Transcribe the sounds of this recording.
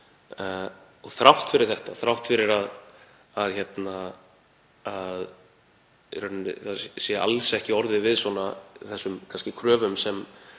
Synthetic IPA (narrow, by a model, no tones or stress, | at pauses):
ɔɣθɾawht̪fɪɾɪɾ̥θɛht̪a̰θɾawht̪fɪɾɪɾað | aðçɛt̪na | að | rœnnɪ̰θaðsjɛa̰lsɛhcɪɔɾðɪvɪðswɔnaθɛsːʏmkʰanscɪkʰɾœːvʏmsɛm